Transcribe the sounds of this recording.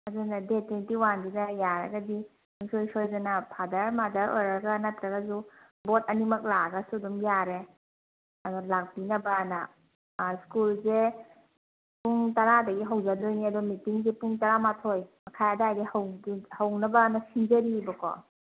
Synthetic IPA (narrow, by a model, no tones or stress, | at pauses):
ɐdunadetinitiwandizajaɾɐ̰ɡadi | nusojsojzɐnapʰadɐɾmadɐɾo̰jɾɐɡanɐtɾɐɡɐzu | botɐnimɐk̚laɡɐsudumjaɾe | ɐdɔlak̚binɐbana | skulze | puŋtɐɾadɐɡiɦawd͡ʒadojniɐdɔmitiŋzepuŋtɐɾamatʰojmɐkʰajadaːjdihɐwɡihɐwnɐbanɐsiŋd͡ʒɐɾibɐkɔ̰